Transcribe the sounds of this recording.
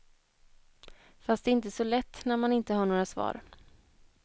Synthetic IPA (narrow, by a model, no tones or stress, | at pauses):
fast̪ɛɪnt̪əsɔlɛt̪ːnæɾmanɪnt̪əhaːɳoːɾasvɑ̰ːɾ